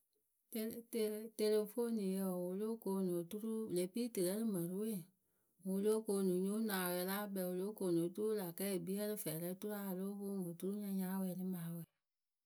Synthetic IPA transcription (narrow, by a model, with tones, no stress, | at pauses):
te˨te˧le˧fo˦nĩ˨jə˧˨wo˧lo˦ko˧˦nõ˨tu˦ɾu˦˨le˨˦pi˦tɨ˨ɾɛ˦lɨ˦mɛ̃˨ɾu˦we˦˨ | wu˧lo˦ko˧˦˧nũ˨˦ɲũ˦nãː˨wɛ˧˨˦la˦bɛ˨wo˨˧lo˦ko˧˨nõ˨˦tu˦ɾu˦la˨kɛ˦˨bi˦ɛ˦ɾɨ˦fɛ˨ɾɛ˧˦tu˦ɾa˦˨lo˦fo˦wo˨tu˦ɾu˦ɲã˧ɲã˦wɛ˧˨˦nɨ˦mãː˨wɛ˨˦